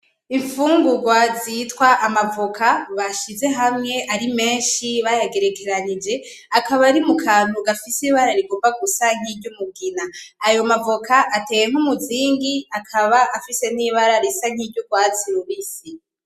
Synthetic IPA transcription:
iɱfuːŋɡuɡwazitwaʔamavokʰaβaʃize̞ɦamŋe̞ʔaɾime̞ːnʃiβajaɡe̞ɾe̞kʰe̞ɾanid͡ʒe̞ | akaβaɾimukʰaːn̥uɡafisiβaɾaɾiɡovaɡusaŋ̥iɟumuɡinaːjo̞mavokʰaʔate̞ːjeŋ̥humuziːŋɡiakʰaβaʔafise̞n̥iːβaɾaɾesaŋ̥hidɟoɡwaːt͡siɾuβisi

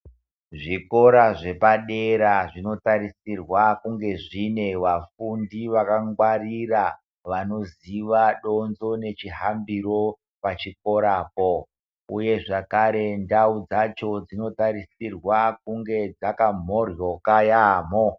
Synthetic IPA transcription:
ʐiko̞ɾaʐe̞paɗeɾaʐino̞taɾisirwakuŋɡe̞ʐine̞ʋafundiʋakaŋɡwarira | ʋano̞ziʋaɗo̞nzo̞ne̞t͡ʃiɦambiro̞ | pat͡ʃik̚o̞ɾaːpo | uje̞ʐakaɾe̞ndaud͡zat͡ʃo̞d͡zino̞taɾisirwak̚uŋɡe̞d͡zakam̤o̞rjo̞kajaːmo

